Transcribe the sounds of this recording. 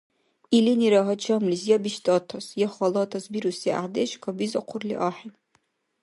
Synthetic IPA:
iliniɾɐɦɐt͡ʃʰɐmlizjɛbiʃtʰʼɐtʰɐsjɛχɐlɐtʰɐsbiɾusia̰deʃkʷʰɐbizɐqʷʰʊrlḭʔaːħin

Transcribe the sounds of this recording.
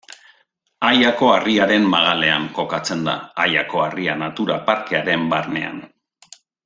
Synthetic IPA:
ajako̞ariaɾe̞mːaɣale̞aŋko̞kat͡se̞nd̪a̰ːjako̞arianat̪uɾapaɾke̞aɾe̞mbarne̞̰a̰n

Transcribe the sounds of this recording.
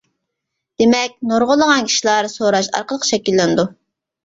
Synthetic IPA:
d̪̥emɛk̚ʲnoɾʁʊlˠːəʁɑnkʲʰi̥ʃilˠɑɾsoɾɑʃɑ̰ɾqəlˠəqʃɛkʲilːɪnd̪u

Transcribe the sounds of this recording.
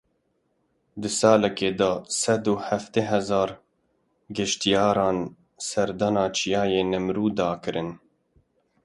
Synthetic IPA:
d̪ɨsɑːlɛkeːd̪ɑːsɛd̪uːhæft̪eɦɛzɑːɾ | ɡɪʃt̪ijɑːɾɑːn | sɛɾd̪ɑnɑːt͡ʃʰijɑːjeːnɨmɾuːd̪ɑːkɨɾɨn

